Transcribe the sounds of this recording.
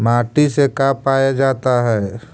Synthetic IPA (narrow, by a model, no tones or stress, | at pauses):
maːʈisekaːpaːjad͡ʒaːt̪aɦɛː